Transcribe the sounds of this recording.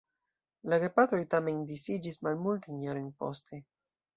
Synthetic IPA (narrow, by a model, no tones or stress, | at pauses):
laɡepat̪ɾojt̪amend̪isid͡ʒismalmult̪inaɾojnpo̰st̪ʰe